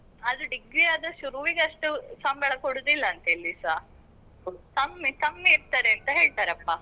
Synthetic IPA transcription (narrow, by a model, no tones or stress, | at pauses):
ɐd̪uɖiɡɾiaːd̪ɐʃuɾuʋiɡeɐʂʈusɐmbɛːɭɐkoɽud̪ilːɐːnt̪ɐelːisaː | t̪ɐmːet̪ɐmːeːɾt̪aːɾeɐnt̪ɐɦe̞ːɭt̪aːɾeɐpːaː